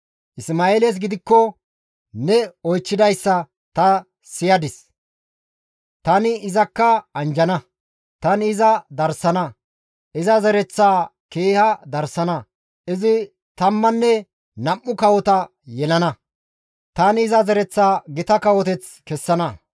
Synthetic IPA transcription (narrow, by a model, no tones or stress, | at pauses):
ʔɪsmaːeːlɛs̬ɡɪd̪ɪkːɔ | nɛɔjt͡ʃːɪd̪ɐjsːɐ | t̪ɐ | sɪjɐd̪ɪs | t̪ɐnɪɪzɐkːɐɐnd͡ʒɐnɐ | t̪ɐnɪzɐd̪ɐɾsɐnɐ | ʔɪzɐzɛɾɛt͡sːaːkeːhɐd̪ɐɾsɐnɐ | ʔɪzɪ | t̪ɐmːɐnːɛ | nɐmːʊkɐwɔt̪ɐ | jɛlɐnɐ | t̪ɐnɪzɐzɛɾɛt͡sːaːɡɪt̪ɐkɐwɔt̪ɛt͡s | kɛsːɐnɐ